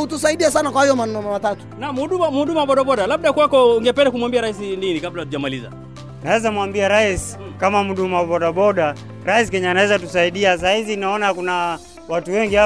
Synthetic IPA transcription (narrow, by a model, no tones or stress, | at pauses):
utusaiɗiasanakwahajɔmanɛnɔmamatatu̥nam̩huɗumam̩huɗumaaɓɔɗaɓɔɗalaɓ̚ɗakwakɔuŋɡɛpɛndakumwambiaɾais̬ininikablahatuʄamaliza̰ | nawɛzamwambiaɾaisi̥ | kamamuɗumawaɓɔɗaɓɔɗa | ɾaisikɛɲaːnawɛzatusaiɗias̬ahizinaɔnakuna | watuwɛŋɡia